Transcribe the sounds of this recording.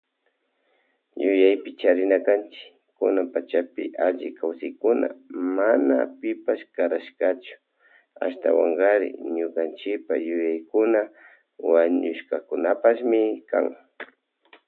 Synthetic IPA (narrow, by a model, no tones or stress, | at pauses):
jʊjajpɪt͡ʃaɾɪnakant͡ʃɪ̥kː | ʊnampat͡ʃapɪʔaʎɪkawsɪjkʊna̰manapɪpaʃkaɾaʃkat͡ʃʊ̥ | a̰ʃt̪a̰wa̰ŋɢaɾɪ̰ɲʊkant͡ʃɪpajʊjajkʊna | waɲʊʃkakʊnapaʃmɪka̰ŋ